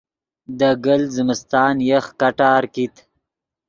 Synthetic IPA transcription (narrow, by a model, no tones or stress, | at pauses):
d̪əɡəlzəmɪst̪ɑːnjəxkaʈɑːɾkit̪